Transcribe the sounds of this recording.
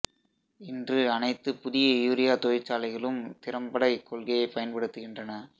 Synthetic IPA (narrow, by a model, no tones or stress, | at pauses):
ɪndrɯɐnɐɪt̪ːɯpʊðɪjɐjuːɾɪjaːt̪oːjɪt͡ʃːaːlɐɪɣɐɭɯmt̪ɪɾɐmbɐɽɐɪkːɔɭɣɐjɐɪpɐjɐnpɐɽɯt̪ːɯɣɪndrɐnɐ